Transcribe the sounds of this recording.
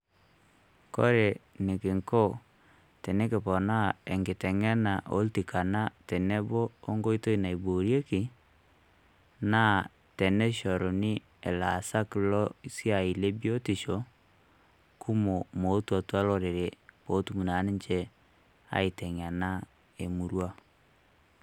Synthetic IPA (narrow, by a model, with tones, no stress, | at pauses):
ko̰˦ɾe˨nɪ˨kɪ˨ŋko˦ | tɛ˨ne˦kɪ˨pɔ˨na˦e˨ŋɡɪ˨tɛ˨ŋɛ˦na˨ʔo̰˦lti˨kʰa˨na˦tɛ˨ne˦boː˦ŋɡo˦i˦to˦i˦na˨i˨bo˨ɾje˦kɪ˨ | naː˦˨ | tɛ˨nɛ˦ʃɔ˨ɾo˨nɪ˦ | e˨la˨sa˦kɪ˨lɔ˦sja˨i˨le˦bjo˦tɪ˨ʃo˨ | ku˦mo˨mo˨˦twa˨twa˦lɔ˦ɾe˨ɾe˨bo˨˦tu˦mu˨na˨˦nɪ˦ɲt͡ʃe˦ | a̰˦i˨tɛ˨ŋ˨a˨na˦ | e˨mu˨ɾwa˦